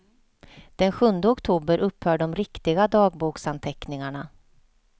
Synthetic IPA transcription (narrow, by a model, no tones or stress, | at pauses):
d̪̥ɛnɧɵnd̪əɔkt̪ʰuːbəɾʔɵphœːɖɔmɾɪkt̪ɪɡad̪ɑːɡ̚buːksant̪ʰɛknɪŋaɳa